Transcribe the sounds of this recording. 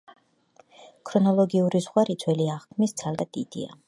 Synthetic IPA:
kʰɾɔnɔlˠɔɡiuɾizʁwaɾit̪sʰwɛliaʁkʰmisd̪sʰalˠd̪ad̪id̪̥ḭa̰

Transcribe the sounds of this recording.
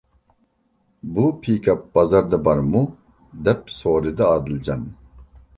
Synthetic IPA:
bupʰiːkʰap̚bɐzɐɾd̪ɐbɐɾmu | d̪ɛp̚soːɾid̪ɐaːd̪ild͡ʒan

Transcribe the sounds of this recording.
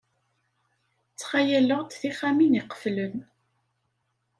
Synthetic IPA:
t͡sːχajæləʁt̪θiχæminiqə̥flən

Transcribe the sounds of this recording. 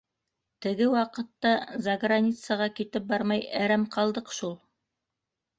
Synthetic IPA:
t̪ɘ̆ɡɘwɑqɤ̆t̪ːɑzɐɡranʲit̪səʁɑkit̪ɘp̚bɑɾmɑjæɾæmqɑlˠd̪ɤqʃulˠ

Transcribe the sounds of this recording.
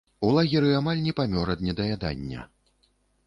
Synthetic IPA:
ulˠaɣʲiɾɨamalʲnʲɛpamʲɔɾɐd̪nʲɛd̪ɐjad̪a̰nʲːɐ̰

